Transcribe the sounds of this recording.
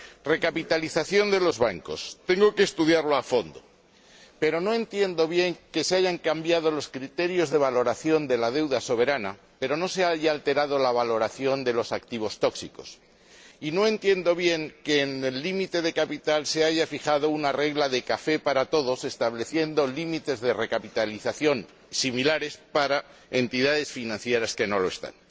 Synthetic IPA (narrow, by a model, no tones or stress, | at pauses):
re̞kapit̪aliθaθjo̞nd̪e̞lo̞zβaŋko̞̰st̪e̞ŋɡo̞keːst̪uðjaɾlo̞afo̞nd̪o̞̰ | pe̞ɾo̞no̞e̞nt̪je̞nd̪o̞β̞je̞ŋke̞seaʝaŋkambjað̞o̞lo̞skɾit̪e̞ɾjo̞zðe̞β̞alo̞ɾaθjo̞nd̪e̞lað̞e̞wðaso̞β̞e̞ɾana̰ | pe̞ɾo̞no̞seaʝaːlt̪e̞ɾað̞o̞laβ̞alo̞ɾaθjo̞nd̪e̞lo̞sakt̪iβ̞o̞st̪o̞ksiko̞̰s | ino̞ẽ̞nt̪je̞nd̪o̞β̞je̞ŋkeːnelːimit̪e̞ð̞e̞kapit̪alse̞aʝafixaðo̞unare̞ɣlaðe̞kafe̞paɾat̪o̞ð̞o̞se̞st̪aβle̞θje̞nd̪o̞limit̪e̞zðe̞re̞kapit̪aliθaθjo̞n | similaɾe̞spaɾae̞nt̪iðaðe̞sfinãnθjeɾaske̞no̞loest̪a̰n